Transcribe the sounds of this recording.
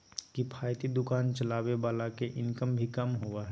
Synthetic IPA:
kipʰaːjt̪id̪ʊkaːnt͡ʃəlaːwebaːlakeʔɪ̃nkəmbʱikəmɦoaɦɛ

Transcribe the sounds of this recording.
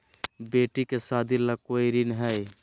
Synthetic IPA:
beʈikesad̪ʱiləkoiɾinɦəj

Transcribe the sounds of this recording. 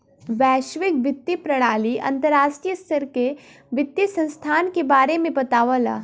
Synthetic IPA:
ʋɛːʃʋɪkʋɪt̪ːipɾɐɽ̃aːliɐ̰̃nt̪əɾaːʃʈɾijəst̪ʰəɾke | ʋɪt̪ːjisə̃nst̪ʰaːnkebaːɾemẽbɐt̪aːʋəla̰ː

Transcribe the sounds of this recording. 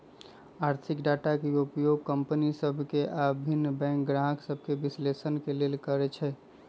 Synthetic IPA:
aɾt̪ʰikɖaʈakeupjoɡ̚kəmpənisəbʱkeʔabʱinːbɛ̃ŋk̚ɡɾaɦəksəbʱkebislesənkelelkəɾɛt͡ʃʰɛ

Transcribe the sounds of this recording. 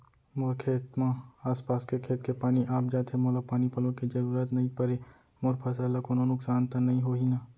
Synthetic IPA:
mʊɾkʰeːt̪maaːspaːskekʰeːt̪kepaːniʔaːp̚d͡ʒaːt̪ʰemoːlapaːnipɐlõkid͡ʒɐɾuːɾat̪nɐɦĩpəɾe | moːɾpʰəs̬aːlakoːnõnʊksaːnt̪anɐɦĩɦoːɦinaː

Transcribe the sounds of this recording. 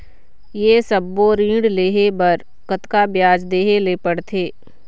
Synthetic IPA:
jeːsəbːoːɾĩːɽleːɦebɐɾ | kət̪kabjaːd͡ʒd̪eːɦeleːpəɽt̪ʰeː

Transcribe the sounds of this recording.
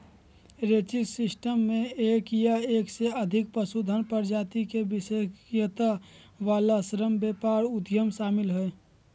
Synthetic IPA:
ɾeːt͡ʃisɪsʈəmːẽeːkjaeːkseəd̪ʱɪk̚pəsud̪ʱənpəɾd͡ʒaːt̪ikebɪsejət̪a | ʋaːlasɾəmbeːpaːɾʊd̪jəmʃaːmɪlɦɛ

